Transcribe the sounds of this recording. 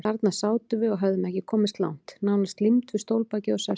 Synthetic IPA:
aɾt̪nasaːwt̪ʏvɪɔɣɦavðʏmɛhçcɪkʰɔːmɪst̪la̰wn̥t̪nawnast̪limt̪vɪ̥st̪owlpaːcɪɔsa

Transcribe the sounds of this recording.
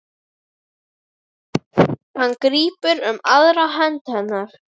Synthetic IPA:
hanːkɾiːpʏɾʏmaðɾaɦɛnt̪hɛnːaɾ̥

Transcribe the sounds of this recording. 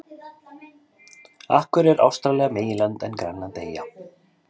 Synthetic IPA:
a̰hkvʏɾɛɾʔa̰wst̪ɾalɛːɣameːjɪlant̪ɛnkɾanːat̪eːja

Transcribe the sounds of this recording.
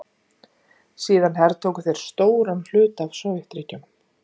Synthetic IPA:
siːðanɦɛɾt̪ʰoːwkʏθejɾ̥st̪oːwɾanl̥ʏːt̪avsɔwɪht̪ɾɪcːʏm

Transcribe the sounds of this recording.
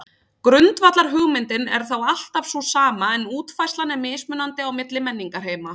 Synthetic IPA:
kɾʏnt̪vat̪laɾ̥ɦʏɣmɪnt̪ɪnɛ̰ɾ̥θawal̥t̪av̥sɔsaːmaɛnuːt̪fajst̪lanːɛmɪːsmʏnːant̪ɪawmɪt̪lɪmɛnːiŋkaɾ̥ɦeːjma

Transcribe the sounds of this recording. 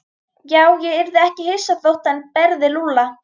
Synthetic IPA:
jaːwjɛɪɾðɪɛhcɪhejsaθowht̪anpɛɾðɪluːla

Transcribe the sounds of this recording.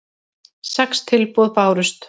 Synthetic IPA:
sɛkst̪ʰɪlpɔðpaːwɾʏst̪

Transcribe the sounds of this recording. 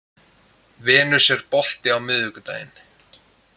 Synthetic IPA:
vɛːnʏ̥sjɛɾpɔl̥t̪ɪawmɪːðʏkʏt̪a̰ːjɪn

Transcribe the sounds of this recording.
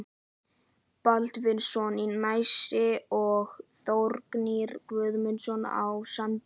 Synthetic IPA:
palt̪vɪnsɔninmajsɪɔɣθowɾkniɾkvœðmʏnsɔna̰wsan

